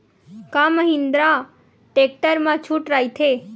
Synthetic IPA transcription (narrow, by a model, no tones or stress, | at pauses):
kaməɦĩnd̪ɾa | ʈek̚ʈəɾmãt͡ʃʰuʈɾait̪ʰe